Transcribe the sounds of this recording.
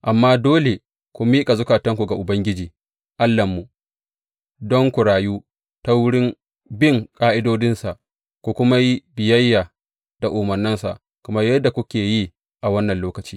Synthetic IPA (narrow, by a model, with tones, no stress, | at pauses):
ʔa˨mːaː˦doː˦le˨ | kʷu˨miː˦kʼa˨zʊ˦kaː˨tɐ˦ŋkʷu˨ɡa˨ʔʊ˨bɐ˦ŋɡʲɪ˦d͡ʒiː˨ | ʔa˦lːɐ˨mːu˨ | dɔ˦ŋkʷʊ˨ɽaː˨juː˦ | ta˦wʊ˦ɽɪ˦m | bɪ˦˨ŋkʼaː˦ʔɪ˦doː˦dɪ˦nsa˨ʔ | kʷu˨kʷʊ˦ma˦ji˦bɪ˨jɐ˦jːaː˨ | d̥a˨ʔʊː˨mɐ˨rnːɪ˦nsa̰˨ʔ | kɐ˨mɐ˦rjɐ˦dːa˨kʷʊ˦kʲeː˨ji˦ | ʔa˨wɐ˦nːɐ˨nloː˦kɐ˨t͡ʃi̥ː˦